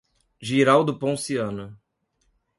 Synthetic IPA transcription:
ʒiɾawd̪ʊpõsiɐ̃nʊ

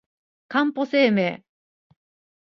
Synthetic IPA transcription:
kãmpo̞se̞ːme̞ː

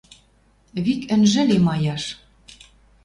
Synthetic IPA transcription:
βikɘ̆nʒɘ̆lemɑjɑʃ

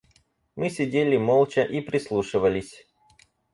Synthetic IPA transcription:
mɨsʲɪdʲelʲɪmolˠt͡ɕəʔipɾʲɪslˠuʂɨvəlʲɪsʲ

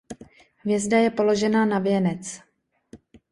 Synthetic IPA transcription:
hvjɛzdajɛpo̞lo̞ʒɛnanavjɛnɛt͡s

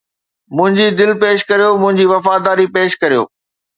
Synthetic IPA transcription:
mʊ̃ɦɪ̃ɲd͡ʑid̪ɪlpeːʃkɐɾijomʊ̃ɦɪ̃ɲd͡ʑiʋɐfaːd̪aːɾipeːʃkɐɾijo̰ː

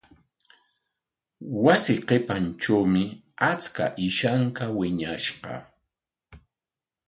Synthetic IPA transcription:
wasɪqepant͡ʃawmɪ | at͡ska̰ʔɪʃaŋkawɪɲaʃɢɑ̰

